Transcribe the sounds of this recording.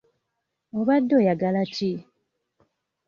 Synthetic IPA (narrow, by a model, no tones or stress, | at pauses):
oβadːojaɡalat͡ʃi